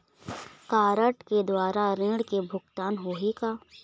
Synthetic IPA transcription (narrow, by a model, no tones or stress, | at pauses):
kaːɾəʈked̪waːɾaɾẽːɽkebʱʊɡt̪aːnɦoːɦikaː